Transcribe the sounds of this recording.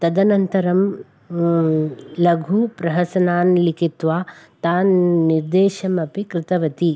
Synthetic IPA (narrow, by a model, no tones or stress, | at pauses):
t̪ɐd̪ɐnɐnt̪ɐɾɐm | lɐɡʱupɾɐɦɐsɐnaːnlikit̪ʋaːt̪aːnːiɾd̪eːʃɐmɐpikɾɪt̪ɐʋɐt̪i